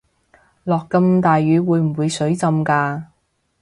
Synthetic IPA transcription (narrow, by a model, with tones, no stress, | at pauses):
lɔː˨kːɐ˧mt̪aː˨jɥyː˨˧wuː˨˧jm̩˨˩wuː˨˧jsɵ˨˥ɥt͡sɐ˧mkaː˧